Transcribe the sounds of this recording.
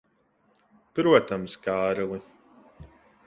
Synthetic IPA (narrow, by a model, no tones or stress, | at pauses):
pɾuɔt̪amskaːɾlˠi